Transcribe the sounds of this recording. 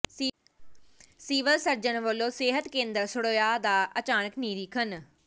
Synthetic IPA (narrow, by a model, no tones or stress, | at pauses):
siːʋəlsəɾd͡ʒənʋəlːõːseːɦət̪kẽːnd̪əɾsʊɽoːjaːd̪aːʔət͡ʃaːnəkniːɾiːkʰən